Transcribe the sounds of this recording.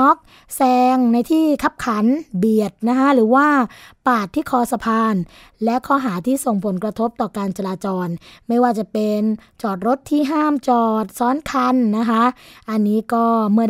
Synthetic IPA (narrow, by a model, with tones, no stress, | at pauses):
ɔ˦˥k̚ | sɛː˧ŋna˧jt̪ʰiː˥˩kʰa˦˥p̚kʰa˩˦nbi˨˩ət̪̚na˦˥kʰa˦˥ɾɯː˩˦waː˥˩paː˨˩t̪ʰːiː˥˩kʰɔː˧sa˧pʰaː˧n | lɛ˦˥kʰɔː˦˥˩ɦaː˩˦t̪ʰiː˥˩so˨˩ŋpʰo˩˦nkɾa˧t̪ʰo˦˥p̚t̪ɔː˨˩kaː˧nt͡ɕa˧laː˧t͡ɕɔː˧nma˥˩jwaː˥˩t͡ɕa˨˩pe˧nt͡ɕɔː˨˩t̪̚ɾo˦˥t̪ʰːiː˥˩ɦaː˥˩mt͡ɕɔː˨˩t̪̚sɔː˦˥nkʰa˧nːa˦˥kʰa˦˥ʔʔa˧nːiː˦˥kɔː˥˩mɯ˥˩ə